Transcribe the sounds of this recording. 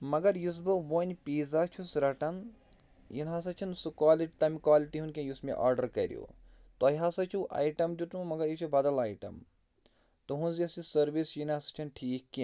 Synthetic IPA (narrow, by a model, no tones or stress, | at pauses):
mɐɡɐɾjus̬bɨʋoːnʲpiːzat͡ʃʰusɾɐʈɐn | jinɦas̬ɐt͡ʃʰɐnsukaːliʈt̪ɐmikwaːliʈiɦunkʲɐ̃jusmḛʔa̰ːɾɖɐɾkɐɾʲjo̰ː | t̪ojɦasɐt͡ʃʰuʔa̰ːjʈɐmd͡ʒut̪ummɐɡɐɾjit͡ʃʰubɐd̪ɐlaːjʈɐ̰m | t̪oɦũnziɐsisɐɾʋisjinasɐ̥t͡ʃʰunʈʰiːkːi